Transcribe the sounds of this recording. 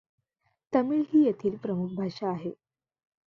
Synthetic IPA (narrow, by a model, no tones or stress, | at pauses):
t̪əmiːɭɦiːjet̪ʰiːlpɾəmukʰbʱaʂaːɦe